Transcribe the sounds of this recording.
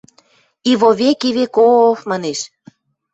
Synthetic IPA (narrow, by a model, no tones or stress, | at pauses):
iβoβekiβekofmɑneʃ